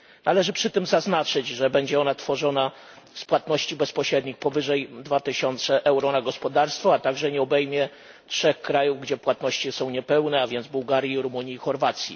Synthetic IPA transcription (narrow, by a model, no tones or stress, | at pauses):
nalɛʐɘpʂɘt̪ɘmzaznat͡ʂɘd͡ʑʐɛbɛɲd͡ʑɛɔnat̪fɔʐɔna | spwat̪nɔɕt͡ɕibɛspɔɕɾɛd̪ɲixpɔvɘʐɛjd̪vat̪ɘɕɔnt̪sɛʔɛwɾɔnaɡɔspɔd̪aɾst̪fɔat̪aɡʐɛɲɛɔbɛjmʲjɛ | tʂɛxkɾajuvɡd͡ʑɛpwat̪nɔɕt͡ɕisɔ̃w̃ɲɛpɛwnɛavʲjɛnd̪zbuwɡaɾʲjiɾumuɲiːxɔɾvat̪sʲjḭ